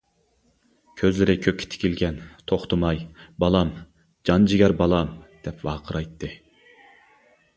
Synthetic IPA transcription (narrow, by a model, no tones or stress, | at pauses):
kʲʰøzlɪɾɪkʲʰøkʲʰːɪ̥t̪ʰɪ̥kʲilɡʲɛnt̪ʰoχt̪ʰʊmɑjbɑlˠɑm | d͡ʒɑnd͡ʒɪɡʲæɾbɑlˠɑmd̪̥ɛpwɑːqʰəɾɑjt̪ːɨ